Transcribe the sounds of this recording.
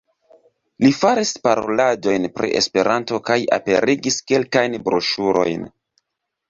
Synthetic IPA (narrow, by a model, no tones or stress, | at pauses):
lifaɾispaɾo̰lad͡ʒo̞jnpɾḭʔe̞̰spe̞ɾanto̞kaja̰pe̞̰ɾiɡiske̞lkajnbɾoʃuɾo̞̰jn